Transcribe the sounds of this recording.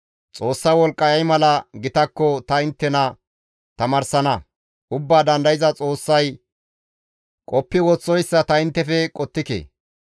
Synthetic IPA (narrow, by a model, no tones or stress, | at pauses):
t͡sʼo̞ːsːɐwɔlkʼːɐjɐjmɐlɐɡɪt̪ɐkːɔt̪ɐɪnt̪ːɛnɐ | t̪ɐmɐɾsɐnɐ | ʔʊbːaːd̪ɐnd̪ɐjɪzɐt͡sʼo̞ːsːɐj | kʼɔpːɪwɔt͡sːɔjsːɐt̪ɐɪnt̪ːɛfɛkʼɔt̪ːɪkḛː